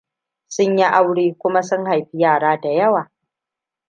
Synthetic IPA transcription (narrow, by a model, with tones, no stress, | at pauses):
sʊ˦ɲji˦ʔa˦wɽeː˦kʷʊ˦ma˦sʊ˦ŋha˨jɸi˦jaː˦˨ɽaː˦da˨jɐ˦waː˨